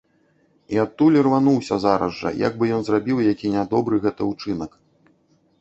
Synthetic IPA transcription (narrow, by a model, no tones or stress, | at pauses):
iatt̪ːulʲirvanuwsʲɐzaɾɐ̰zʐɐ̰ja̰ɡ̚bɨjɔnzrabʲiwjakʲinʲad̪ɔbɾɨɣɛt̪ɐut͡ʂɨnɐk